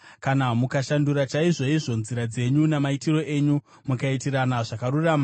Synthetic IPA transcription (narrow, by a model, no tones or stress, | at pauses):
kanamukaʃanduɾat͡ʃaiʐo̞iʐo̞nziɾad͡ze̞ɲunemaitiro̞ʔe̞ɲu | mukaitiɾanaʐakaɾuraːma